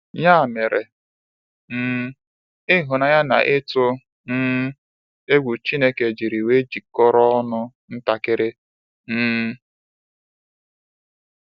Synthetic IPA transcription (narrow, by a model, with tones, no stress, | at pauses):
ɲa˦˨me˨ɾe˨ | m̩˦ | ɪ˦ɦʊ˨na˨ja˦na̰˨ʔɪ˦tʊ˦ | n̩ː˦ | e˦ɡʷu˨t͡ʃi˦ne˦ke˨d͡ʒi˨ɾi˨we˦d͡ʒi˨kɔ˦ɾɔ˦ɔ˦nʊ˦ | n̩˦ta˨kɪ˦ɾɪ˦ | n̩ː˦